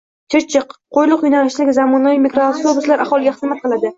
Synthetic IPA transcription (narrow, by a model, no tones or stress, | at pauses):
t͡ʃʰɪɾt͡ʃʰɪqːʰojlˠʊqjʊnalɪʃlɪkʲzamɒnavijmikɾoaft̪obʊslaɾʔahɒlˠɪɡʲaχɨzmat̪̚qʰɨlˠad̪ɪ